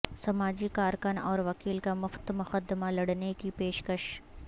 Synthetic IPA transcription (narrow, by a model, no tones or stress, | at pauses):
sɐmaːd͡ʒikaːɾkənɔːɾʋɐkiːlkamʊft̪mʊxəd̪malɐɽnekipeːʃkəʃ